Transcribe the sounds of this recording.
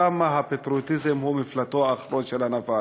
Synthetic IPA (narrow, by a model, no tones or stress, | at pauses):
amaɦapet̪ɾut̪izemhumiflat̪oaːχɾonʃelanava